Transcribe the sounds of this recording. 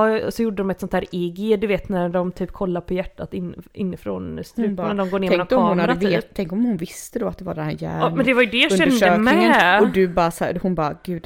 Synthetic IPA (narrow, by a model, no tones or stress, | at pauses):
ɔsɔjʊɖːəd̪ɔmɛt̪sɔnt̪hæːɾɪɡɪd̪ɵveːt̪næɾɖɔmt̪ʰyːp̚kʰɔlːaɾpʰɔjæʈːat̪ɪnɪ̰nːɪfɾɔnst̪ɾʉːnæɖɔmɡoːɾneːmŋɔmɑhʊnadəvːt̪t̪ʰːɛŋkɔmhʊnvɪst̪əd̪ɔat̪̚d̪ɛva̰ɖɛnhæːɾjæ̰ːmɛnd̪ɛvaɾjɵd̪ɛjɑʃɛndøəːmɛɔd̪ɵbɑɾsæ̰hʊnbɑɡ̥ʉːd̪